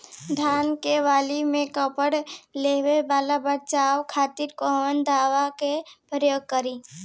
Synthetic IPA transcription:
d̪ʱaːnkeʋaːlimẽkəpəɽleːwebaːlabəɾt͡ʃaːwkʰaːt̪iːɾkoɦʋənd̪ʱaːʋakepjoːɡ̚kəɾi

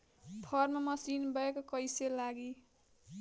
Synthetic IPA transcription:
pʰʌrmamʌsinbʌekokʌjselaɡi

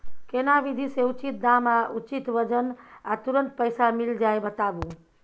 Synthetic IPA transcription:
kenabid̪ʱiseut͡ʃit̪̚d̪amaʔut͡ʃit̪ʋəd͡ʒənat̪uɾənt̪pəjsamild͡ʒajbət̪abu

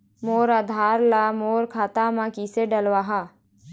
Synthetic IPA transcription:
moːɾaːd̪ʱaːɾlamoːɾkʰaːt̪amãkiseɖəlʋaːɦaː

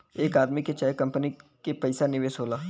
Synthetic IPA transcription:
eːkaːd̪miket͡ʃaːjekɐ̃mpənikepɐɪsanɪʋeːsɦoːlaː

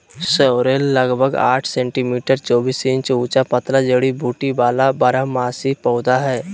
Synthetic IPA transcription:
səɾeːlːɐɡbʱəɡa̰ːʈʰsẽːɳʈimiːʈəɾt͡ʃɔːbiːsĩnt͡ʃuːt͡ʃapɐt̪lad͡ʒəɽibʱuːʈibaːlabɐɾəɦmaːsipɔːd̪aɦɛː

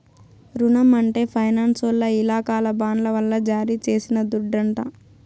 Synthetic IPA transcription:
ɾunɐmɐɳʈe̞ːpʰɐjnaːnsʋɐlːɐilaːkaːlɐbaːnlɐʋɐlːɐd͡ʒaːɾit͡ʃe̞ːsinɐd̪uɖːɐɳʈa

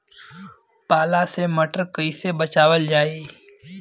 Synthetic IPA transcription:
paːlaseməʈəɾkəisebət͡ʃaːʋəld͡ʒaːiː

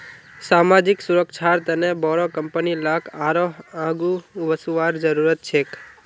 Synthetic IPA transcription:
samad͡ʒiksuɾəkʃʰaɾt̪ənebɔɾokəmpənilakaɾoɦãɡuʋəsuʋaɾd͡ʒəɾuɾət̪̚t͡ʃʰek

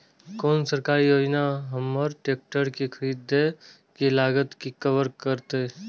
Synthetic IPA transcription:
koːnsəɾkaːɾijoːd͡ʒnaɦɐməɾʈeːk̚ʈəɾkexʰəɾiːd̪e | kelaːɡət̪kikəʋəɾkəɾt̪e

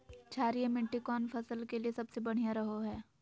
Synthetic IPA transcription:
t͡ʃʰaːɾijemɪ̃ɳʈikɔːnfʰɐsəlkeliesɐbsebɐɽ̤ijãɾɐɦoɦɛː

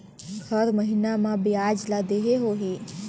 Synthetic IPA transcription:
ɡʰʱəɾməɦɪnamãbɪaːd͡ʒlaːd̪eɦeɦoːɦiː

